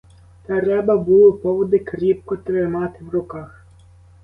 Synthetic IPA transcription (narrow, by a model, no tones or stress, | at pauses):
t̪ɐɾɛbɐbulˠʊpɔʋɔd̪ɪkɾʲip̚kɔt̪ɾɪmɑt̪ɪwrʊkɑx